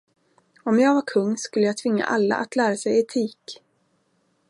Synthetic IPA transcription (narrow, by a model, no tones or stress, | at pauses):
ɔmjɑːɡvaɾkʰɵŋːskɵlːəjaːt̪ʰvɪŋːa̰ʔalːa̰ʔat̪læːɾasɛjɛt̪ʰiːk